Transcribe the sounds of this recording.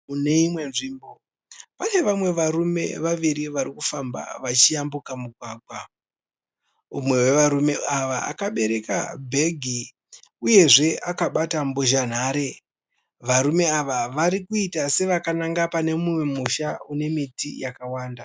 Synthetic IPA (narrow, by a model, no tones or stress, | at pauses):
une̞imwe̞nʐiːmbo̞ | pane̞ʋamwe̞ʋaɾume̞̰ʋaʋiɾiʋaɾikufamba̰ʋat͡ʃijambukamuɡʱwaːɡ̚ʱwa | umwe̞we̞ʋaɾume̞aʋaa̰kaɓe̞ɾe̞ka̰bʱe̞ɡʱi | uje̞ʐe̞akaɓatamboʒan̤aːɾe̞ | ʋaɾume̞aʋaʋaɾikuitase̞ʋakanaŋɡapane̞muwe̞muʃaune̞mitḭjakawaːnda